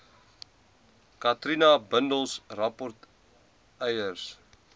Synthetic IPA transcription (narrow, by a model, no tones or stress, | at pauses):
katrinabəndəlˠsrapɔrt | ɛjərs